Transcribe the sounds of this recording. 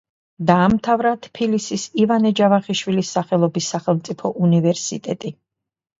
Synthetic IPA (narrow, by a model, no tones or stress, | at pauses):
d̪aːmt̪ʰavɾat̪ʰpʰilisisivanɛd͡ʒavaχiʃwilisːaχɛlˠɔbisːaχɛlˠmt̪sʼipʰɔʔunivɛɾsḭt̪ʼɛt̪ʼi